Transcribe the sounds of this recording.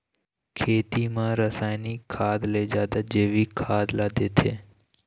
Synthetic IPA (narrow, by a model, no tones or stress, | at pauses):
kʰeːt̪imãɾəsaːjnikʰaːd̪led͡ʒaːd̪ad͡ʒeʋikʰaːd̪laːd̪et̪ʰe